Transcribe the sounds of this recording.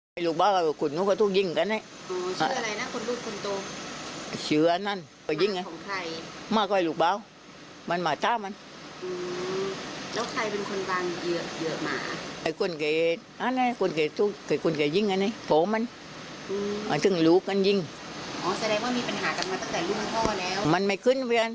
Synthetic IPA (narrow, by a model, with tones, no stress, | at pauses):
a˧˩jluː˧˩k̚baː˧˨wka˧˩˧kʰu˧˨nːuː˧˥ka˧˩t̪ʰuː˧˩k̚ji˧˩˨ŋka˧˨nːa˧˩jʔɔː˧˦sʰa˧˦˨a˨˧la˧jna˦˥kʰo˧nluː˧˩t̪̚kʰo˧nt̪o˧ | sɯ˨˦ɐ˧na˧˥˨n | kɔː˧˩˨ji˧˨ŋa˧kʰɔː˨˦ŋkʰa˧˩jmaː˧˩kɔ˧˨˧luː˧˩k̚baː˧˥˨w | ma˧nmaː˨˩t̪aː˧˨ma˧n | ʔɯː˧ | lɛː˦˥˩wkʰa˧jpe˧nkʰo˧nwaː˧ŋjɯ˧˩əjɯ˧˩ɐʔma̰ː˨˩˦ʔa˧˩jkʰo˧˨nka˨˩j | ʔa˧˨na˧˨kʰo˧˥˨nkʰa˨˩t̪u˧˩ka˧˩kʰo˧˩˨nkʰa˨˩jji˧˩˨ŋʔa˧na˧˩˨pʰo˨˦ma˧n | ʔɯː˧ʔa˧˩t̪ɯ˧˩˨ŋluː˦kːa˧˨nji˧˥˨ŋ | ʔɔː˧˦sa˧dɛː˧ŋwaː˥˨miː˧pa˨˧nɦaː˨˦ka˧˩nmaː˧t̪a˧˩˨ŋt̪ɛː˨˩luː˧˩maː˧˩t̪ʰɔː˧˥˩lɛː˦˥wma˧˨nma˧˩jkʰɯ˧˥˨nwi˧a˧˨n